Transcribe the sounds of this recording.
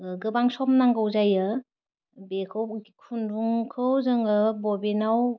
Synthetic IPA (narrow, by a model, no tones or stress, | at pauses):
ɡɯbaŋsɔmnaŋɡɯwzajɯ | bekʰɯwkʰunɾuŋkʰɯwzɯŋɯbɔbenaw